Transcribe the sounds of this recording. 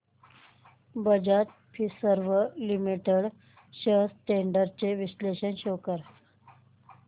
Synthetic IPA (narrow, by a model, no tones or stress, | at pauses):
bəd͡ʑat̪ | pʰisəɾʋəlimiʈəɽ | ɕəɦsʈeɳɖəɾt͡ɕeʋisleɕəɳɕokəɾ